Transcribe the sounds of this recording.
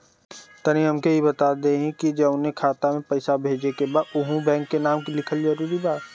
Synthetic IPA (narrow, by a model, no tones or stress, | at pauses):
t̪ɐniɦɐmkeɦibɐt̪aːd̪eɦɛ̃kid͡ʒɐʊnɦẽkʰaːt̪amẽpɐɪsabʱeːd͡ʒekebaːd̪ʊɦũbɛ̃ːŋkːenaːmkilɪkʰəlzɐɾuːɾibaːt̪